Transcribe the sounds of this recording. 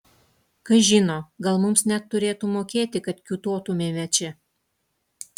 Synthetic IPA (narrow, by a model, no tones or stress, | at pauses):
kɐʒʲɪnoːɡɐlˠmʊmsnʲɛt̪ːʊɾʲeːt̪umoːkʲeːt̪ʲɪkɐt̪kʲuːt̪oːt̪ʊmʲeːmʲɛt͡ʃʲɪ